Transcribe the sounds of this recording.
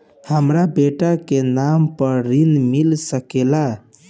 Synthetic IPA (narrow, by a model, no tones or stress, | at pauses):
həmɾabeʈakenampəɾɾinmilsəkela